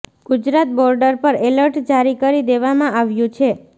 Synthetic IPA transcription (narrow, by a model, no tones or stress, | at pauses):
ɡ̥ʊd͡ʒɾat̪̚bɔɾɖəɾpəɾeləɾʈd͡ʒaɾikəɾid̪eʋamãʔaʋjũt͡ʃʰe